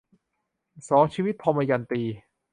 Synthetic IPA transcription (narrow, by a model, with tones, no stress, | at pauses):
sɔː˩˦ŋt͡ɕʰiː˧wi˦˥t̪̚pʰɔ˧ma˧ja˧nt̪iː˧